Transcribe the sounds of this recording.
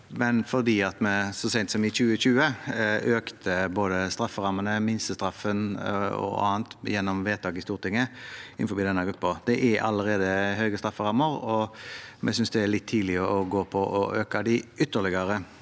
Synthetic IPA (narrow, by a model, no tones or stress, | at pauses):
mɛnfɔʁd̪iːɑt̪mɛsɔsɛɪnt̪sɔmɪçʉːəɕʉːəøːkt̪ʰəboːd̪əst̪ɾɑfːəɾɑmːənəmɪnsəst̪ɾɑfːənɔ̰ɑ̰ːnt̪jɛnːɔmʋeːt̪ʰɑːɡɪst̪uːɾt̪ɪŋːəɪnfɔbiːd̪ɛnːəɡɾʉpːəd̪̥ɛʔɛʔɑ̰lːəɾeːd̪əɦøʏɡəst̪ɾɑfːəʁɑmːəɾɔmʔɛsʏnsd̪ɛælɪt̪ʰːiːd̪lɪəɔɡoːpʰɔʔɔʔøːkɑd̪ɪʏt̪ːəɭɪɡəɾə